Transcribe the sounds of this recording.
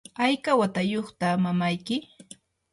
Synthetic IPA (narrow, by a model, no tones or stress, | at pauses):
ajkawat̪ajoχt̪amamajkɪ